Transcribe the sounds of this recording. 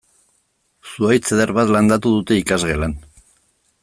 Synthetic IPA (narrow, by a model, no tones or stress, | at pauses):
suajt͡seðeɾβat̪land̪at̪uðut̪e̞ikazɣe̞lan